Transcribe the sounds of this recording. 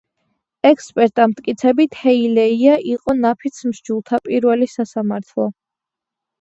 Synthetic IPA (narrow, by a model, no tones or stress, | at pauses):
ɛkʰspʼɛɾt̪ʼamt̪ʰʼkʼit̪sʰɛbit̪ʰhɛilɛiaʔiqʼɔnapʰit̪sʰmʃd͡ʒulˠt̪ʰapʼiɾvɛlisasamaɾt̪ʰlˠɔ